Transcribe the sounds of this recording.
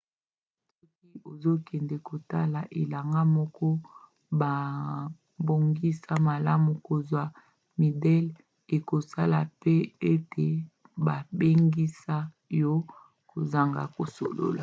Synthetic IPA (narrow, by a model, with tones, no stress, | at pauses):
ss | so˦k̚i˦o˨zo˦kɛ˨ndɛ˨ko˨ta˦la˨ʔe˨la˨ŋɡa˦mɔ˦kɔ˦ | ba˨ | bo˨ŋɡi˦sa˦ma˨la˦mu˨ko˨zwa˨ | mi˨dɛ˦l | e˨ko˨sa˦la˨pe˦e˦te˨ | ba˨be˦ŋɡi˦sa˦ | jɔ˦ | ko˨za˨ŋɡa̰˨ko˨so̰˨lo̰˦la˨